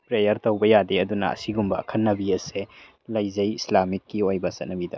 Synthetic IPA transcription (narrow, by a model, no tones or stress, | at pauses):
pɾejɐɾtowbɐjadeɐdunɐ̰ɐ̰siɡumbɐɐ̰kʰɐnnːɐbiɐse | lɐjzɐjislamikːiojbɐsɐt̚nɐbidɐ